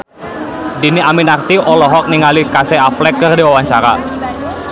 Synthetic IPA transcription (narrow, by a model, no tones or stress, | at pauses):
diniaminart̪iʔɔlɔɦɔk̚niŋalikasɛaflɛkːərdiwawaɲt͡ʃaɾa̰